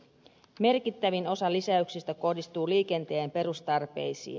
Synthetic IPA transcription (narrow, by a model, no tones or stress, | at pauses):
me̞rkit̪ːæʋino̞sɑlisæyksist̪æko̞hdist̪uːliːke̞nt̪eeːmpe̞ɾust̪ɑrpe̞jsḭːn